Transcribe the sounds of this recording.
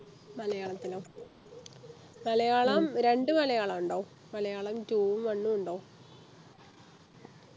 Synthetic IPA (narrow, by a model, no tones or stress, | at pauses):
mɐlɐjaːɭɐt̪ːiloː | mɐlɐjaːɭɐmɾe̞ɳɖɨmɐlɐjaːɭɐmuɳɖoː | mɐlɐjaːɭɐmtuːʋumʋɐɳːumuɳɖoː